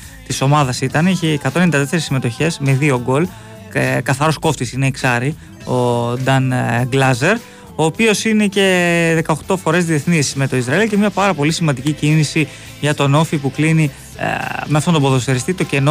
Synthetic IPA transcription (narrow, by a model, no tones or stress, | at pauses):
t̪iso̞mɐðɐsit̪ɐniçeːkɐt̪onenid̪ɐt̪eseɾisimet̪oçe̞zmeðio̞ɡo̞l | kɐθɐɾo̞sko̞ft̪isineiksɐɾi | o̞d̪ɐnɡlɐze̞ɾ | o̞ːpio̞sine̞ce̞ðe̞kɐoxt̪o̞fo̞ɾe̞zðie̞θniszme̞t̪o̞izɾɐilce̞mɲɐpɐɾɐpo̞lisimɐnd̪icicinisi | ʝɐt̪o̞no̞fipuklinḭ | meɐft̪ont̪boðost̪eɾist̪it̪o̞ce̞no